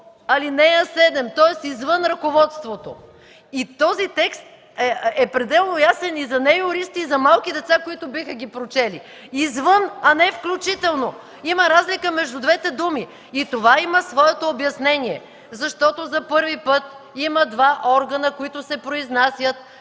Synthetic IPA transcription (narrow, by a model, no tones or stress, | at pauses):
ɐlinɛjɐsɛd̪ɛmt̪ɔɛst̪izvənɾɐkovɔt̪st̪vot̪o | it̪ɔzit̪ɛkst̪ | ɛɛpɾɛd̪ɛlˠnojasɛnizɐnɛjʊɾist̪iːzɐmalˠkid̪ɛt̪sakoit̪ʊbixəɡʲipɾot͡ʃɛli | izvɤnɐnɛfklʲut͡ʃit̪ɛlˠno | iməɾazlikəmɛʒd̪ʊd̪vɛt̪ɛd̪umiː | t̪ovaiməsvɔɛt̪oːbjɐsnɛniɛ | zɐʃt̪ɔt̪ozɐpɤɾvipɤt̪̚ | iməd̪vaʔɔɾɡɐnəkoit̪ʊsɛpɾoiznasʲjət̪̚